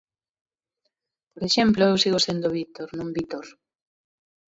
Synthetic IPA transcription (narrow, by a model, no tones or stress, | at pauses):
poɾeʃemploewsiɣosend̪oβit̪oɾnũŋbit̪oɾ